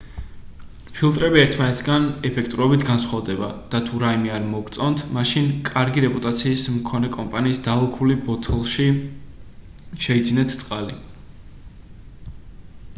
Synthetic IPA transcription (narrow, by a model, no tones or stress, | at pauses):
pʰilˠt̪ʼɾɛbiɛɾt̪ʰmanɛt̪ʰɡanɛpʰɛk̚ʰt̪ʼɾɔbit̪ʰɡansχwavd̪ɛba̰d̪̥at̪ʰuɾaimiaɾmɔɡɾt̪sʼɔnt̪ʰmaʃinkʼaɾɡiɾɛpʼut̪ʼat̪sʰiːsmkʰɔnɛkʼɔmpʼaniːsd̪alˠɔkʰulibɔt̪ʰɔlˠʃi | ʃɛid̪zinɛt̪ʰt̪sʼqʼali